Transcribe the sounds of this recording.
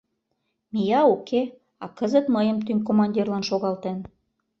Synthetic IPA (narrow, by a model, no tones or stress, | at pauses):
mijɑokʰe | ɑkəzə̆t̪məjə̆mt̪ynk̬omɑnʲdʲirlɑnʃoɣɑlt̪en